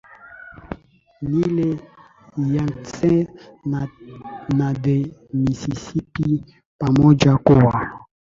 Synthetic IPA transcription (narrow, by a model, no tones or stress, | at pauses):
nile | jaŋsɛ̃ | nademisisipi | pamɔd͡ʒakowa